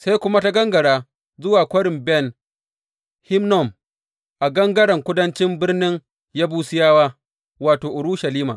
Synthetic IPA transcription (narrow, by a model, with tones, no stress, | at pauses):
sa˦jkʷʊ˦ma˦ta˦ɡɐ˦ŋɡɐ˨ɽaː˦ | zʊ˦waː˨kʷɐ˦ɽɪ˨mbɛ˦˨n | hɪ˦mnɔ˨m | ʔa˨ɡɐ˦ŋɡɐ˦ɽɐ˨ŋkʷʊ˦dɐ˦nt͡ʃɪ˦mbɪ˦rnɪ˦ŋ | jaː˦buː˦sɪ˦jaː˦waː˦ | waː˨toː˨ʔʊ˨ɽʊ˦ʃɐ˨liː˦ma̰ː˨ʔ